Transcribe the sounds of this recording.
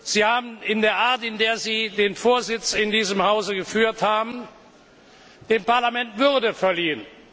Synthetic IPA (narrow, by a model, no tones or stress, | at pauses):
z̥iːhaːbm̩ɪndeːɐʔaɐtɪndeːɐziːdeːnfoːɐzɪt͡sɪndiːzəmhaʊzəɡəfyːɐthaːbm̩ | d̥eːmpaɐlamɛntv̥ʏʁdəfɛɐliːən